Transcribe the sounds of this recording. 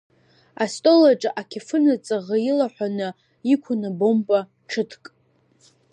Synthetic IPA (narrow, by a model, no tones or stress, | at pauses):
astʼolaʈ͡ʂʼaʔakʲʰefɨnat͡sʼaʁajilaħʷanɨ | ikʷʰʊnɨbompʼa | ʈ͡ʂʰɨtʰkʼ